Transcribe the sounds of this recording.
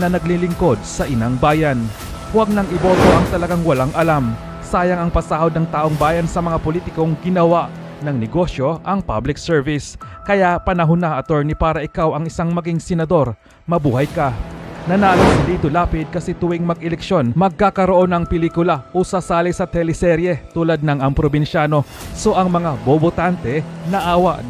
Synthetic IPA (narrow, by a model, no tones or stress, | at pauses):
nɐnɐɡ̚lilɪŋko̞d̪̚sɐʔɪnaŋbaːjɐn | wɐɡ̚nɐŋɪbo̞ːt̪o̞ʔɐŋt̪ɐlɐɡaŋwɐlaŋʔɐlam | saːjɐŋɐŋpɐsaːhod̪̚nɐŋt̪aːʔoŋbaːjɐnsɐmɐŋapoliːt̪ɪko̞ŋɡɪnɐwaʔ | nɐŋnɛɡo̞ʃjo̞ʔɐŋpablɪk̚sɛɹvɪskɐjaʔpɐnɐɦʊnaʔɐt̪oɹnipaːɾɐʔɪkawɐŋɪsaŋmɐɡiŋsɛnɐd̪o̞ɾ | mɐbuːhɐjkɐnɐnaːlosɐd̪iːt̪olaːpɪd̪̚kɐsɛt̪ʊwɪŋmɐɡʔɛlɛkʃo̞nmɐɡ̚kaːkɐɾoʔo̞nɐŋpɪliːkʊlɐʔusɐsaːlɪsɐt̪ɛlɪsɛɾjɛt̪uːlɐd̪̚nɐŋʔɐŋpɾobɪnʃaːno̞so̞ʔɐŋmɐŋabobot̪ant̪ɛnɐʔaːwɐ̰ʔ